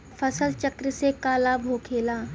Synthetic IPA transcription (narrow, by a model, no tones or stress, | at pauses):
fʰəsəlt͡ʃɐkɾəsekaːlabʱoːkʰeːlaː